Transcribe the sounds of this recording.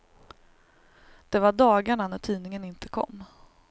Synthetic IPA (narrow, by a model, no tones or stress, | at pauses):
d̪̥ɛvaɖɑːɡaɳanæʈʰiːnɪŋənɪnt̪əkʰɔ̰mː